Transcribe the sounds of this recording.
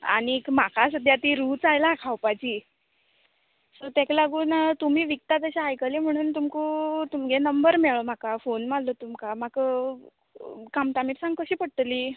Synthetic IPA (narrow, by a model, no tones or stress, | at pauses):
a̰ñikm̤akʰasəd̪ʱjat̪iːɾuːt͡sajlakʰawpat͡ɕiː | sot̪ɛklaɡuːnt̪um̤iːʋik̚t̪at̪əɕaajkəlem̤əɽ̃uːnt̪umkut̪umɡenəmbəɾmeɭom̤akafonmallot̪umkam̤akə | kamt̪amiʈsãŋɡkəɕiːpəɽt̪liː